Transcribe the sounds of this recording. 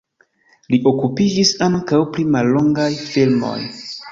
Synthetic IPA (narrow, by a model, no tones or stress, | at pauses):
liʔokupid͡ʒisaŋŋkawplimalːo̞ŋɡajfilmo̰j